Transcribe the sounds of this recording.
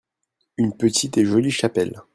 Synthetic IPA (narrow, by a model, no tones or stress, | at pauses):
ynpət̪ʰit̪eʒɔliʃapɛl